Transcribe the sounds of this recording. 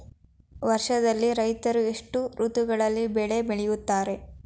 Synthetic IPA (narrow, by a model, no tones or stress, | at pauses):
ʋɐɾʂɐd̪ɐlːiɾɐjt̪ɐɾueʂʈuɾut̪uɡɐɭɐlːibɛɭe̞bɛɭɛjut̪ːaːɾe̞